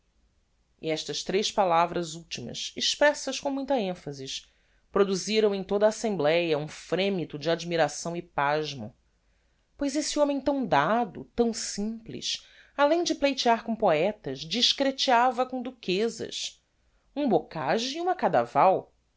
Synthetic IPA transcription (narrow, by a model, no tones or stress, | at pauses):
iɛʃt̪ɐʃt̪ɾejʃpalavɾɐzuwt͡ʃimɐ̰siʃpɾɛsɐskõmũj̃t̪ɐẽfɐziʃ | pɾod̪uziɾɐ̃w̃ẽj̃t̪od̪aːsẽmblɛjɐũfɾẽmit̪ʊd͡ʒɪad͡ʒmiɾasɐ̃w̃ipaʒmɐ̰ | pojzesiõmẽj̃t̪ɐ̃w̃d̪ad̪ʊ̰t̪ɐ̃w̃sĩplḭʃ | alẽj̃d͡ʒɪplejt͡ʃiaɾkõpoɛt̪ɐzd͡ʒiʃkɾet͡ʃiavɐkõd̪ukezɐ̰ʃ | ũbokaʒʊiũmɐkad̪a̰vaw